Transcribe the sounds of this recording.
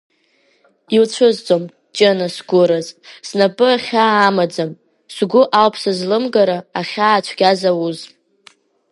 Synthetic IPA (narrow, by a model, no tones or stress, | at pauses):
ilt͡ɕʷʰɨzt͡sʼom | d͡ʒʼenasɡʷʊɾazsnapʼɨaχʲaːmad͡zam | sɡʷʊʔalpʰsɨzlɨmɡaɾaːχʲaːt͡ʃʷʰɡʲazawuz